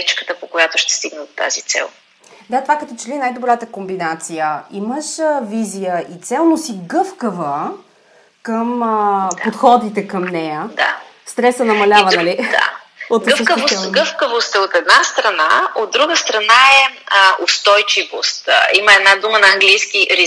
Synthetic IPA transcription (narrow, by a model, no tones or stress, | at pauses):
it͡ʃkə̥t̪əpokojat̪oʃt̪ɛ̥st̪iɡnəd̪ot̪a̰zit̪sɛ̰lˠ | d̪at̪ovakɐt̪ɔt͡ʃɛlinajd̪obɾat̪əkombinat̪sijəiməʃəvizijəʔit̪sɛlˠnosiɡɤfkəvə | kəmpot̪xɔd̪it̪ɛkəmnɛjəd̪a̰ | st̪ɾɛsənɐmɐlʲavənɐli̥a̰ | ot̪ɡ̪vəfkəvoɛɡɤfkəvost̪ɛot̪ɛd̪nast̪ɾɐnaod̪̚d̪ɾuɡəst̪ɾɐnaɛost̪ɔjt͡ʃivost̪iməɛd̪nad̪umənɐɐŋɡlijskiʔɾi